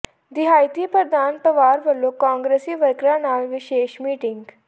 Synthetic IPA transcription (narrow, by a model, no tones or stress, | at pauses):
d̪iɦajt̪iːpɾəɾd̪aːnpɾəʋaːɾbəlːokɔ̃ːŋɡɾesiːʋəɾkɾanaːʋʋiɕeːɕmiːʈiŋɡ